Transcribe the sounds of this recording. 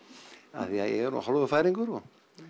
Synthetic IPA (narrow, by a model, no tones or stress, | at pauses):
a̰θiaðɛɣɾṵhɔlvʏfaːjɾiŋkʏɾɔ